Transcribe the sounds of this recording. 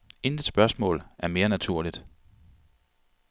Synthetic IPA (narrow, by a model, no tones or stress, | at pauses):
e̝ndi̥sb̥ɶɐsmɔ̰ːlæɐme̝ːɐnæt͡sʰuɐ̰lid̥